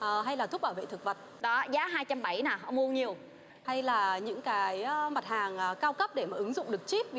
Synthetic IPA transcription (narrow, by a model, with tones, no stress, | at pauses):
ʔəː˨˩ɦa˧jlaː˨˩ʊ˦˥k͡p̚ɓaː˧˩vḛ˧˨t̪ʰɨ˨˩k̚və˨˩t̚ɗɔ˨˦zaː˨˦ɦaː˧jt͡ɕa˧mɓa˧˩jnaː˨˩ɦmu˧əɲi˨˩əw | ha˧jlaː˨˩ɲɨ̰˧˥ŋkaː˨˦jma˨˩t̚haː˨˩ŋʔːkaː˧wkə˦˥p̚ɗe˧˩maː˨˩ʔɨ˨˦ŋzʊ̰˧˨ŋ͡mɗɨ˨˩ək̚t͡ɕi˦˥p̚v